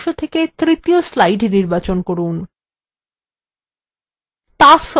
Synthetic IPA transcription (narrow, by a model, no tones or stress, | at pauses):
ʃot̪ʰeket̪ɾit̪ioslajɖniɾbat͡ɕonkoɾun | t̪as